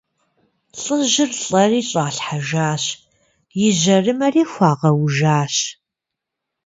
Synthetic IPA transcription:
ɬʼɨʑɪrɬʼɐriːɕʼaːɬħaʒaːɕ | jɪʑɐrɨmɐriːxʷɑːʁɐwʒaːɕ

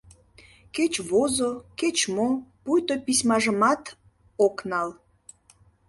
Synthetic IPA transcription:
ket͡ɕβozoket͡ɕmopujt̪opismɑʒəmɑt̪ | oknɑl

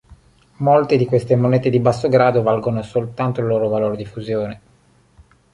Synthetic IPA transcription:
molt̪ed̪ikwest̪emonɛːt̪ed̪ibasːoɡɾaːd̪ovalɡonosolt̪ant̪oilːoːɾovaloːɾed̪ifuzjoːne

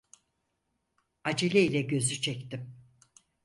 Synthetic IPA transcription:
ad͡ʒilʲɛilʲɛɟø̞zyt͡ʃʰɛct̪ɪm

